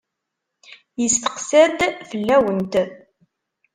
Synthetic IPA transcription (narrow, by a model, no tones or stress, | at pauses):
jəst̪ə̥qsæd̪fəlːæwənt̪